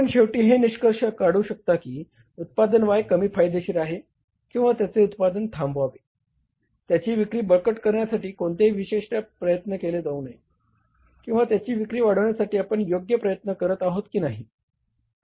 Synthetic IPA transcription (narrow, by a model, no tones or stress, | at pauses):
ənɕeʋʈiːɦeniɕkəɾʂəkaɽ̤uːɕək̚t̪akiː | ut̪̚pad̪ənʋajkəmiːfʰajd̪eɕiːɾaɦe | kĩw̃ʋat̪jat͡seut̪̚pad̪ənt̪ʰãmbʋaʋe | t̪jat͡ɕiːʋikɾiːbəɭkəʈkəɾɳjasaʈiːkoɳt̪eiʋiɕeʂʈjapɾəjət̪nəkeled͡zaunaj | kĩw̃ʋat̪jat͡ɕiːʋikɾiːʋaɽ̤əʋɳjasaʈiːapəɳjoɡjəpɾəjət̪nəkəɾət̪aɦot̪kiːnaɦiː